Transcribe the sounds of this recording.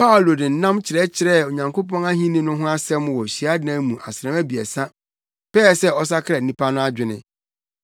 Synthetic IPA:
pʰa˦o˨lo˨dɪ̃˨n̩˦nã˦mt͡ɕʰɪ˨ɾɛ˦t͡ɕʰɪ˨ɾɛ˦˨o˨ɲã˨ŋkʰo˦pɔ̃˦na˦ɦĩ˦nĩ˦nʊ̃˦ɦʊ̃˦a˦sɛ̃˦m˦wɔ˨ɕi˨a˦dɪ˦nã˦mũ˨ʔa˨sɪ˨ɾɛ̃˨mæ˦bi˨ɛ˨sa˦ | pɛː˦˨sɛ˦ɔ˦s̬a˦kʰɾɛ˨nĩ˦pʰa˦nʊ̃˦a˦d͡ʑᶣɪ˨nɪ̰̃˦

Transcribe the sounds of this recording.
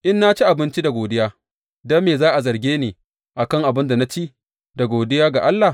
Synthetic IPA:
ʔɪ˦nːa˦t͡ʃi˦ʔa˨bɪ˦nt͡ʃi˦da˨ɡoː˨dɪ˦jaː˦ | daː˦meː˨zaː˦ʔa˨zɐ˨rɡʲeː˦neː˨ | ʔa˨kɐ˦ŋʔa˨bɪ˦nda˨na˦t͡ʃi˦ʔ | da˨ɡʷoː˨dɪ˦jaː˦ɡa˨ʔa˦lːa˨

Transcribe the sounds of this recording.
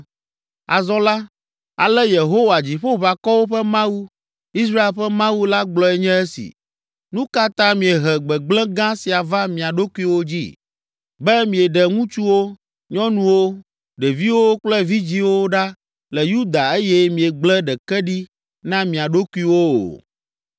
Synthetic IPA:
a̰˨zɔ̃˦la˦ | a˨lɛ˦je˨ɦo˦wa˨d͡ʑi˨ɸo˦βa˨kɔ˦wo˦ɸɛ˦mã˦wu˦ | i˦s̬ɾa˦e˨lɸɛ˦mã˦wu˦la˦ɡ͡blɔ˦ɛ˨ɲɛ̃˦ɛ˦sḭ˨ | nũ˦ka˦t̪ã˦mĩ˨ɛ˨ɦɛ˨ɡ͡bɛ˨ɡ͡blɛ̃˦ɡã˦si˨a˨va˦mĩ˨a˨ɖo˦ku˦i˦wo˦d͡ʑḭ˦ | bɛ˦mĩ˨ɛ˨ɖɛ˨ŋũ˦t͡ʃu˦wo˦ | ɲɔ̃˦nũ˨wo˦ | ɖɛ˨vi˦wo˦k͡plɛ˦vi˦d͡ʑi˦wo˦ɖa˦ | lɛ˨ju˦d̪a˨e˦jɛ˦mĩ˨e˨ɡ͡blɛ˦ɖɛ˨kɛ˦ɖi˦ | nã˦mĩ˨a˨ɖo˦ku˦i˦wo˦o̰˨

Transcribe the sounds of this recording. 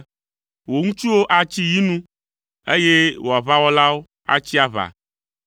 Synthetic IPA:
wo˨ŋũ˦t͡ʃu˦wo˦ʔa˨t͡ɕi˦ji˦nũ˦ | e˦je˦wo˨a˨βa˦wɔ˦la˦wo˦ | a̰˦t͡ɕi˦a˨βa̰˨

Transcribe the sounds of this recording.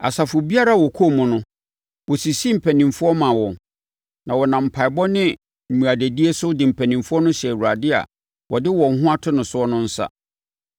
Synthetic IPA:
a̰˨sa˨fʊ˨bi˦a˦ɾa˦˨wɔ˨kʰo˦˨mʊ̃˨nʊ̃˦ | wɔ˨si˨si˦m̩˨pʰæ˨nĩ˨mfʊ˦ɔ˦mã˨wɔ̃˨ | nã˨wɔ˨nã˨m̩˨pʰa˨ɪ˨bɔ˦nɪ̃˦ | m̩˨mũ˨a˨de˨di˦e˦sʊ˦dɪ˨m̩˨pʰæ̃˨nĩ˨mfʊ˦ɔ˦nʊ̃˦ɕɛ˨wu˨ɾa˨dɪ˦a̰˨ | wɔ˨dɪ˦wɔ̃˨ŋ˦ɦʊ̃˦a˦tʰʊ˦nʊ̃˨sʊ˦ɔ˦nʊ̃˦n̩˦sa̰˦

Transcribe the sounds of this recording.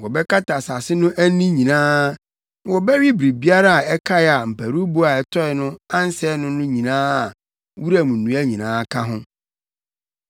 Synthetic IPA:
wɔ˨bɛ˦kʰa˦ta˨sa˨sɪ˦nʊ̃˦ʔæ˦nĩ˦ɲĩ˨nãː˦ | wɔ˨bɛ˦ɥi˦bɾi˨bi˦a˦ɾa˦a˨ɛ˦kʰa˦˨a˨m̩˨pʰæ˨ɾu˦bʊ˦a˨ɛ˨tʰɔ˦ɛ˨nʊ̃˦ã˦n˦sɛ˦nʊ̃˦nʊ̃˦ɲĩ˨nãː˦˨ | wu˦ɾa˦mũ˨nːũ˨˦æ˦ɲĩ˨nãː˨˦kʰã˦ɦʊ̃˦

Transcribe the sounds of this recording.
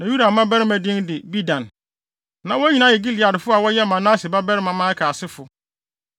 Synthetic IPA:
nã˨ju˦da˨mã˦bɛ˦ɾɪ˦mæ̃˨dɪ̃˦ndɪ˨bi˦dã˨n | nã˨wɔ˦ɲi˨nã˦˨jɛ˨ɡi˦lɪ˨a˨dɪ˨fʊ˦a˨wɔ˦jɛ˦mã˨nãː˦sɪ˨ba˦bɛ˦ɾɪ˦mã˨mã˦kʰaː˨sɪ˦fʊ˨

